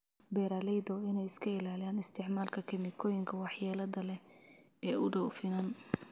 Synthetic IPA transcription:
bɛːɾaːlɛjd̪ɔɪnɛjɪskʰɐɪlaːlɪjaːnɪst̪ʰɪʕmaːlkʰɐkʰɐmɪkʰɔːjɪŋkʰɐwɑħjɛːlɐðɐlɛ | ɛːʊɖɔwfɪnɐn

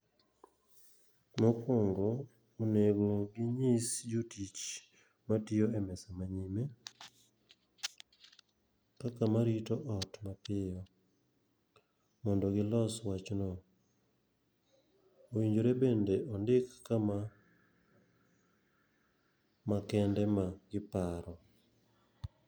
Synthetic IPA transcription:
mɔkoŋɡoː | neɡoɡɪɲisd͡ʒotit͡ʃ | matɪoɛmɛsamaɲime | kakamaɾitɔʔɔtmapɪɔ | mɔndɔɡɪlɔswat͡ʃnɔ | owiɲd͡ʒoɾebendeʔɔndɪkːama | makɛndɛmaɡɪpaɾɔ

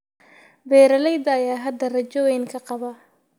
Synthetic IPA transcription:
bɛːɾɐlɛjd̪ɐːjaːɦɐd̪ɐrɐt͡ʃɔwɛjnkʰɐqɑβɐ

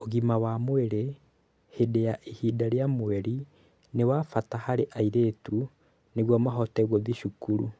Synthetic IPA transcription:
oɣimawamweɾe | hedejaʔihidaɾeamweɾi | newafatahaɾeʔaiɾetu | neɣwamaɦɔtɛɣoðiʃukuɾṵ

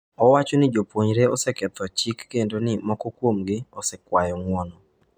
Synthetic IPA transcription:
ɔwat͡ʃonɪd͡ʒopwoɲɾeɔsɛkɛt̪ɔt͡ʃikːendonɪmɔkɔkwomɡɪɔsɛkwajɔŋwɔnɔ

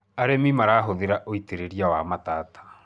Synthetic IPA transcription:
aɾemimaɾaːɦoðeɾaʔoiteɾeɾiawamataːtʰḁ

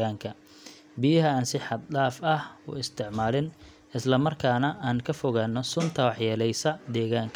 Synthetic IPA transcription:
aːŋkʰɐ | bɪjɐɦɐaːnsɪħɑd̪̚laːfɐhʊ̰ɪst̪ʰɪʕmaːlɪn | ɪslɐmɐrkʰaːnɐʔaːŋkʰɐfɔɣaːnːɔsʊnt̪ʰɐwɑħjɛːlɛjsɐd̪ɛːɣaːŋkʰ

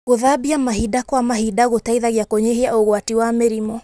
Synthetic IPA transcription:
ɣoðabiamaɦidakwamaɦidaɣotaiðaɣiakoɲeɦeaoɣwatiwameɾimɔ

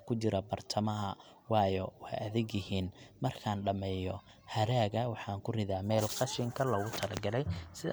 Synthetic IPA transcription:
kʰʊt͡ʃɪɾɐbɐrt̪ʰɐmɐɦɐ | wɑːjɔwħjɐðɪɡjɪhiːnmɐrkʰaːnɖɐmɛːjɔ | hɐɾaːɣɐwɑħɑːŋkʰʊrɪðaːmɛːlqɑʃɪŋkʰɐlɐɣʊt̪ʰɐlɐ̰ɡɐlɛjsɪ

